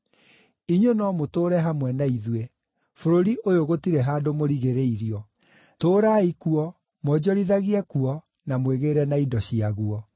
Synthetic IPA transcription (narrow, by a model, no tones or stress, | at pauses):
iɲwonɔmotoːɾɛɦamwɛnaiðwe | foɾoɾiʔojoɣotiɾɛɦaːdomoɾiɣeɾeiɾiɔ | toːɾaikuɔ | mwɔd͡ʑɔɾiðaɣiɛkuɔ | namweɣeɾɛnaidɔɕiaɣuɔ